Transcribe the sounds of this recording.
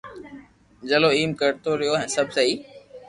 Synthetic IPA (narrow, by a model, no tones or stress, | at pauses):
d͡ʒəloiːmkəɾt̪oɾɪjoɦɛ̃ːsəbʱsəɦiː